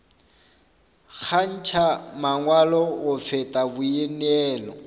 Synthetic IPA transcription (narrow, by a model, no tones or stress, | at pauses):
k͡xʰan̩t͡ʃʰamaŋwalɔɣʊfɛtʼabʊjɛnɛːlɔ